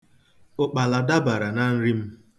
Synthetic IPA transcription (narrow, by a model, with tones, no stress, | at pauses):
ʊ˨k͡pa˨la˨da˦ba˨ɾa˨na˦n̩˦ɾi˦m̩˦